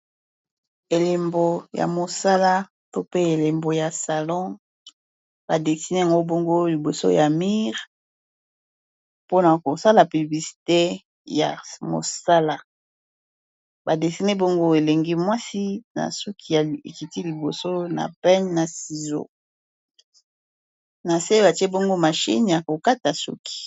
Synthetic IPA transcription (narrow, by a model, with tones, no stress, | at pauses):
e˨le˨mbo˨ja̰˨mo˨sa˦la˦ | to˦pe˦e˨le˨mbo˨ja˨sa˨lɔ̃˦ | b̥a˨de˨si˨ne˦a˨ŋɡo˦bo˦ŋɡo˦li˨bo˨so̰˦ja˨mi˦ʁ | po˦na˨ko˨sa˦la˨py˨bli˨si̥˨te˦ | ja̰˨mo̰˨sa˦la˦ | ba˨de˨si˦ne˦bo˦ŋɡo˦e˨le˨ŋɡi˦mwa˦si˦na̰˨su˦kʰi˨ja˨ḛ˨ki˨ti˦li˨bo˨so˦na̰˨pɛ˦nna˨si˨zo̰˦ | na˨se˦ba˨te˦bo˦ŋɡo˦ma˨ʃḭ˦nja˨ko˨ka˦ta˨sṵ˦ki̥˨